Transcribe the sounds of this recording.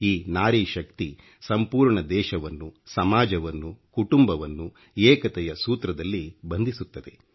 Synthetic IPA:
iːnaːɾiʃɐkt̪i | sɐmpuːɾɳɐd̪ɛːʃɐʋɐnːusɐmaːd͡ʒɐʋɐnːukuʈumbɐʋɐnːu | eːkɐt̪ɛjɐsuːt̪ɾɐd̪ɐlːibɐnd̪isut̪ːɐd̪e̞

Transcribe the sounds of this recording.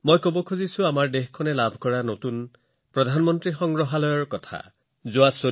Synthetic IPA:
mojkobɔkʰuzisuamaɹdexkʰːɔnelabʱkɔɹanotun | pɹɔd̪ʱanmɔntɹixɔŋɡɹɔɦalɔjɔɹkɔtʰa̰ | zuaso

